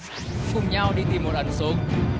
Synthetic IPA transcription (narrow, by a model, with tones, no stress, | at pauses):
fʊ˨˩ŋ͡mɲa˧wɗi˧t̪i˨˩mːo˨˩t̚ʔa˨˩˦ŋ̟so˨˦ŋ